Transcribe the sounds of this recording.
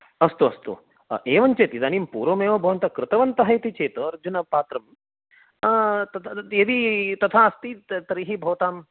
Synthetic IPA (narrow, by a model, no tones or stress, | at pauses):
ɐst̪uɐ̰st̪ṵ | ʔeːʋɐnt͡ʃeːt̪id̪aːniːmpuːɾoːmeːʋɐbʱɐʋɐnt̪ɐkɾɪt̪ɐʋɐnt̪ɐɦɐjt̪it͡ʃeːt̪ɐɐɾd͡ʒunɐpaːt̪ɾɐm | t̪ɐt̪ʰed̪it̪ɐt̪ʰaɐst̪it̪ɐɾiɦibʱɐʋɐt̪aːm